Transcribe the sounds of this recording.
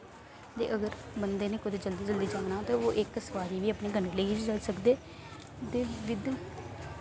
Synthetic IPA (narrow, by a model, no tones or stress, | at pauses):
t̪ḛːʔəɡəɾbənd̪eːnẽːkʊd̪eːd͡ʒəld̪iːd͡ʒəld̪iːd͡ʒaːnaːt̪ãːoːʔɪksəʋaːɾiːʋiːəpɳeːɡʱəɳeleiːd͡ʒid͡ʒəlsəkd̪eː | t̪eːʋɪd̪